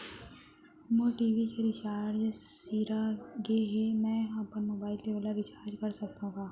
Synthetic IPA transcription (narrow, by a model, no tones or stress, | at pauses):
moʈiːʋikeɾɪt͡ʃaːɾɾd͡ʒsiːɾaɡeɦɛmɛ̃ːjɐɦãpəɾmoːbaːɪlːeʋolaɾɪt͡ʃaːɾd͡ʒkɐɾsɐk̚t̪aɦũɡaː